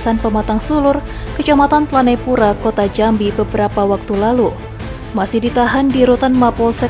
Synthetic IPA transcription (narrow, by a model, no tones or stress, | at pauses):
sanpəmat̪aŋsulʊrkət͡ʃamat̪ant̪əlanajpuɾakot̪ad͡ʒambibəbəɾapawak̚t̪ulalu | masɪhdit̪aɦandiɾut̪anmapɔlsɛ